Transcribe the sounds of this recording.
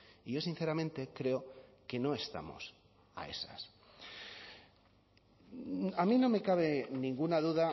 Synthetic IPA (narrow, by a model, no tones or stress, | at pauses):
iʝo̞sin̟θe̞ɾamẽ̞nt̪e̞kɾe̞oke̞no̞e̞st̪a̰mo̞̰s | a̰e̞̰sa̰s | amĩno̞me̞kaβ̞e̞nĩŋɡunaðuða